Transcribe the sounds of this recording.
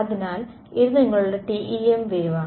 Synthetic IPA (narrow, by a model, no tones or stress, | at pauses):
ɐðinaːl | iɾuðɐŋːɐɭuɽɐʈiʔiemʋeːʋaː